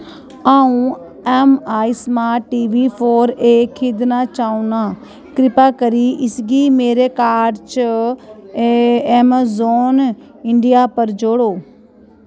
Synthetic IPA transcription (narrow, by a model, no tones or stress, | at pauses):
aːũ | ɛmaːismãʈiːʋipʰoːɾeːkʰid̪nat͡ʃaːũnaː | kɾɪpaːkəɾiʔɪsɡimeːɾekaːɖt͡ʃə | emzoːn | ɪ̃ɳɖijapəɾd͡ʒoːɽoː